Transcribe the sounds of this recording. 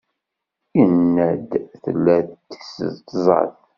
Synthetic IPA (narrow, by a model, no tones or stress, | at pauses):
inːæd̪θəlːæθt̪ːə̥sə̰ðt̪ːzˤɑ̰θ